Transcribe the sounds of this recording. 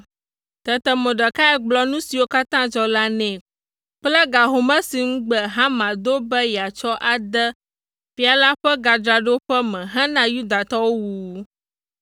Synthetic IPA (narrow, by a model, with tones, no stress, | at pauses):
t̪ɛ˨t̪ə˨mɛ̃˨ɖə˨ka˦ɛ˦ɡ͡blɔ˦nũ˦si˨wo˦ka˦t̪ã˦d͡ʒɔ˦la˦nɛ̃˨ | k͡plɛ˦ɡa˨ɦo˨mɛ̃˦si˨ŋũ˦ɡ͡bɛ˨ɦã˦mã˨d̪o˦bɛ˦jɛ˨a˨t͡ʃɔ˦ʔa˨d̪ə˦ | ɸi˦a˨la˦ɸɛ˦ɡa˨d͡ʒ̪ɾa˨ɖo˦ɸɛ˦mɛ̃˨ɦã˦nã˦ju˦d̪a˨t̪ɔ˦wo˦wu˨